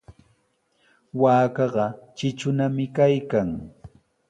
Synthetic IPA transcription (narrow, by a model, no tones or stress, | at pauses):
waːkɑɢɑt͡ʃɪt͡ʃʊnamɪkajkaŋ